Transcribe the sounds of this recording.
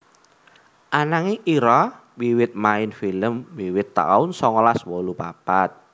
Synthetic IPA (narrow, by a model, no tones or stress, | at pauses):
ʔanaŋiʔiɾɔ | wiwɪt̪̚maɪnfiləmwiwɪt̪ːa̰ʊnsɔŋɔlaswɔlupa̰pat̪̚